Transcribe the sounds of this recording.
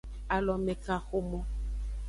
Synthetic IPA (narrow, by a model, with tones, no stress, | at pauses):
a˨lɔ˨mɛ˨ka˨xo˦mɔ˦